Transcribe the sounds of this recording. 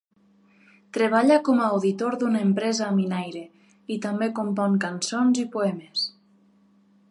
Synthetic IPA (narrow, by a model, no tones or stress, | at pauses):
t̪ɾeβ̞aʎakɔmːwðit̪oɾðunaempɾɛzaːminajɾe | it̪ambekompɔŋkansonzipoɛmes